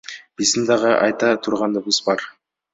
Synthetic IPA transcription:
b̥isənd̪ɑʁɑʔɑ̰jt̪ɑt̪ʰuɾʁɑnd̪əbəzbɑɾ

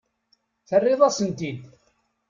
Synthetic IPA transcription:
θərːɪðˤæsənt̪id̪

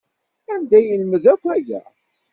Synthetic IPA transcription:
ænd̪æjəlməðækʷːæjæ̰

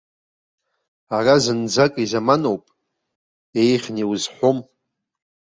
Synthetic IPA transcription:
arazɨnd͡zakʼizamanowpʼ | ejχʲniwzħʷom

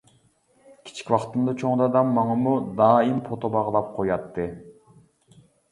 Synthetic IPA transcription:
kʲʰi̥t͡ʃʰi̥kʲwɑqt̪ɨmd̪ɑt͡ʃʰoŋd̪ɑd̪ɑmːɑŋɑmud̪ɑːimpʰot̪obɑʁəlˠɑp̚qʰojɑt̪ːɨ

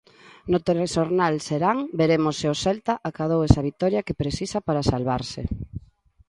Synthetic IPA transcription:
not̪eɾesoɾnalseɾaŋbeɾemosːeosɛlt̪aʔakað̞owɛsɐβit̪ɔɾjɐkepɾesisɐpaɾasalβaɾsɪ̰

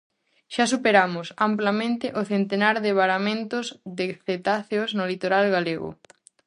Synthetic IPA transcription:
ʃasupeɾamʊsamplamẽnt̪ɪʔʊθent̪enaɾðɪβaɾamẽnt̪ʊzðɪθet̪aθeoznolit̪oɾalɣaleɣʊ̰

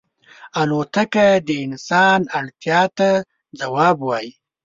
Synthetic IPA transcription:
alot̪akad̪əɪnsɑnaɽt̪jɑt̪a | d͡zawɑbwɑji

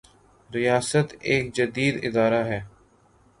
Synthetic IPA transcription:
ɾɪjaːsət̪eːk̚d͡ʒəd̪iːd̪ɪ̰d̪aːɾaɦɛː

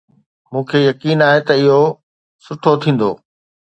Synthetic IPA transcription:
mũːkʰejɐkiːnaːɦet̪ɐɪɦo | sʊʈʰot̪ʰĩːn̆d̪o̰ː

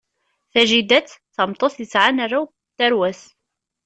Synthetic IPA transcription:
θæʒid̪æt͡sθmt̪ˤoθjəsʕanaraw | t̪ːæɾwæs

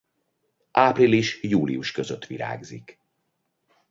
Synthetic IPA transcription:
ʔaːpriliʃjuːlḭuʃkøzøt̪ːʋiɾa̰ːɡzik

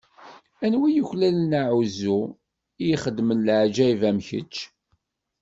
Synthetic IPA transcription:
ænwijəçlælənaʕuzu | ijχəd̪ːmənlʕd͡ʒæivæmçə̰t͡ʃː

